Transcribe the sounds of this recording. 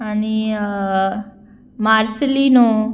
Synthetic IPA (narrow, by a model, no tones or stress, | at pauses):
ani | maːɾsəlinõ